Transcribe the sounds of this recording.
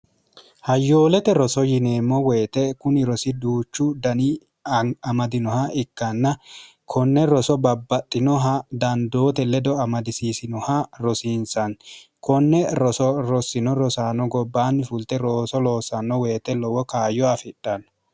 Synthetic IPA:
hɐjːo̞ːlɛt̪ɛɾɔsɔjɪneːmːɔweːt̪ɛkʊnɪɾɔsɪd̪uːt͡ʃːʊd̪ɐni | ɐmɐd̪ɪnɔhɐʔɪkːɐnːɐ | kʰɔnːɛɾɔsɔbɐbːɐt̪ʼːɪnɔɦad̪ɐnd̪o̞ːt̪ɛlɛd̪ɔɐmɐd̪ɪsiːsɪnɔhaɾɔsiːnsɐn | kɔnːɛɾɔsɔɾɔsɪnɔɾɔsaːnɔɡɔbːaːnːɪfʊlt̪ɛɾoːsɔlo̞ːsɐnːɔwe̞ːt̪ɛlɔwɔkaːjɔɐfɪᶑɐn

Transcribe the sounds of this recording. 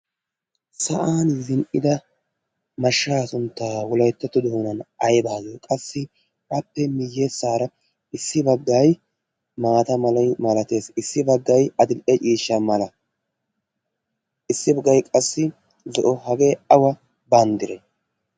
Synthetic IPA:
sɐʔaːnzɪnʔɪ̰d̪ɐ | mɐʃːaːsʊnt̪ːaːwʊlɐjt̪ːɐt̪ːɔd̪oːnɐnɐjbaːɡɪkʼɐsːɪ | ɐpːɛmɪjːeːsːaːɾɐ | ɪsːɪbɐɡːaj | maːt̪ɐmɐlɐjmɐlɐt̪e̞ːsɪsːɪbɐɡːɐjɐd̪ɪlʔɛt͡ʃʼiːʃːɐmɐlɐ | ɪsːɪbɐɡɐjkʼɐsːɪ | zɔʔɔhɐɡe̞ːɐwɐ | bɐnd̪ɪɾɛ

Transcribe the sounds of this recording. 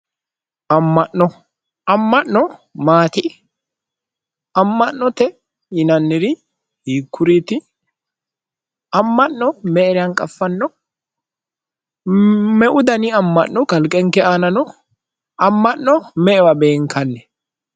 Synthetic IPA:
ʔɐmːɐʔːɔ | ɐmːɐnnɔmaːt̪ɪ | ɐmːɐnːɔt̪ɛ | jɪnɐnːɪɾɪ | hiːkːʊɾiːt̪ɪ | ɐmːɐʔnɔmɛʔɛɾɪɐŋkʼɐfːɐnːɔ | mɛʔʊd̪ɐnɪɐmːɐ̰ʔnːɔkɐlkʼɛŋkːɛaːnɐnɔ | ɐmːɐʔːɔmɛʔɛwɐbeːŋkʰɐnːɛ

